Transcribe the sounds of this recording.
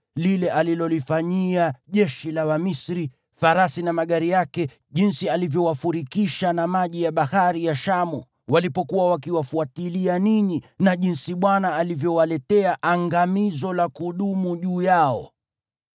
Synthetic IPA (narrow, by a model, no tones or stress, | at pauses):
lilɛʔalilɔlifaɲiaʄɛʃilawamisɾi | faɾasinamaɠaɾijakɛ | ʄinsialivjɔwafuɾikiʃanamaʄijaɓahaɾijaʃamu | walipɔkuwawakiwafuatilianiɲinaʄinsiɓwanaːlivjɔwalɛtɛaʔaŋɡamizɔlakuɗumuʄuːjaɔ̰